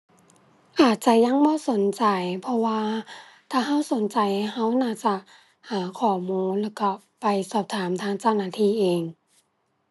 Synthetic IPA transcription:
ʔaː˨˩t̪̚t͡ɕa˧˩ja˧˥˨ŋbɔː˧˨so˨˦nt͡ɕa˨˩jpʰɔ˧waː˧ | t̪ʰaː˧˩ɦa˧˥˩wso˨˦nt͡ɕa˨jha˧˥˩wnaː˧˥˩t͡ɕa˧˩ | ʔaː˧˩kʰɔː˨˩muː˧˥˨nlɛː˧˩wka˧˩ | pa˨jsɔː˨˩p̚t̪ʰaː˨˦mt̪ʰaː˧˥ŋt͡ɕa˧˩˨wnaː˧t̪ʰiː˧˩ʔeː˨˩ŋ

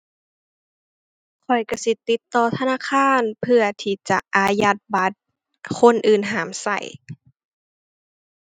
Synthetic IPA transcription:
kʰɔ˨˩jka˧˩si˧˦t̪i˧˦t̪ːɔː˧˩t̪ʰa˧naː˧˥˨kʰaː˧˥˨npʰɯ˧ɐt̪ʰiː˧˩t͡ɕa˧˩ʔaː˧ja˧˥t̪̚ba˨˦t̪̚ | kʰo˧˥˨nʔɯː˨˩nɦaː˨˦msa̰˧˩j

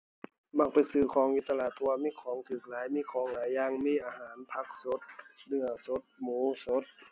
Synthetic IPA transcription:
ba˧˩kpa˨jsɯː˧˩kʰɔː˨˦ŋʔi˧t̪ːa˧laː˧˩t̪ʰɔː˧waː˧miː˧˥˨kʰɔː˨˩˦ŋt̪ʰɯː˨˩k̚laː˨˦jmiː˧˥˨kʰɔː˨˦ŋlaː˨˦jːaː˧ŋmiː˧˥˨ʔaː˧haː˩˦npʰa˧k̚so˦t̪̚nɯ˧˩əso˦t̪̚muː˨˦so˧˦˥t̪̚

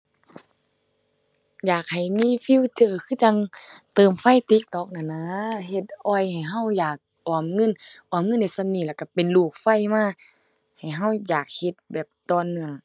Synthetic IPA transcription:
jaː˨˩k̚ha˨˩jmiː˧˥˨fi˧˥˨wt͡ɕɤː˧˩kʰɯː˧˥˨t͡ɕa˧ŋt̪ɤː˨˩mfa˧˥˨jt̪i˧˦˥k̚t̪ɔː˧˦k̚na˧˩na˧˥ɦe˧˦t̪̚ʔɔ˧˩jha˨˩jɦa˧˥˩wjaː˨˩k̚ | ʔɔː˨˧˩mŋɤ˧˥˨nʔɔː˨˩mŋɤ˧˥˨nːa˧˩sa˧˨mniː˧˩lɛː˧˩ka˧˩pe˨nluː˧˩k̚fa˧˥˩jmaː˧˥˨ | ha˨˩jɦa˧˥˩wjaː˨˩k̚he˧˦t̪̚bɛː˨˩p̚t̪ɔː˧˨nːɯ˧əŋ

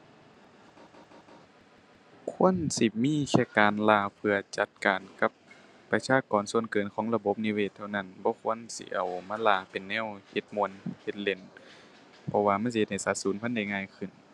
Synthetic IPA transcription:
kʰu˧˥ənsi˧miː˧˥˨kʰɛː˧˩kaː˨nlaː˧˩pʰɯ˧ɐt͡ɕa˧˦t̪̚kaː˨nka˧˦p̚ː | a˧sʰaː˧˥˨kɔː˨˩nsu˧˨ənkɤː˨nkʰɔː˨˦ŋla˧bo˧˦p̚ni˧˨weː˧˩t̪ʰːa˧wna˧˩˨nbɔː˧˦kʰu˧˥˨ə˨nsḭ˧˦ʔa˨˩wmaː˧˥˨laː˧˩pe˨nːɛː˧˥˨whe˧˦t̪̚mu˧˨ənhe˧˦t̪̚le˧˩n | pʰɔ˧waː˧ma˧˥˨ns̬i˧ht̪̚ha˧˩sa˧˦t̪̚suː˨˦npʰa˧˥˨nda˧˩˨jŋaː˧˥˨jkʰɯ˧˩n

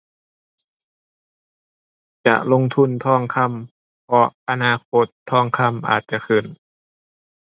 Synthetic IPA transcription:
t͡ɕa̰˧˩ʔlo˧˥˨ŋt̪ʰu˧˥˨nt̪ʰɔː˧˥˩ŋkʰa˧˥˨m | pʰɔ˧˥ʔa˧naː˧˩kʰo˧˥t̪ʰːɔː˧˥˩ŋkʰa˧˥˨mʔa̰ː˨˩t̪̚t͡ɕa˧˩˨kʰɯ˨˩n

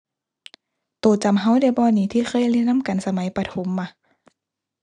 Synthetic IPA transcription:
t̪oː˨˩t͡ɕa˨˧˦mɦa˧˥˨wda˧˩bɔː˧˨niː˧˦t̪ʰiː˧˩xʰɤː˧˥˨jli˧˩nnːa˧˥˨mka˨nsa˧ma˨˦jpa˧t̪ʰo˨˦mːa˧˦

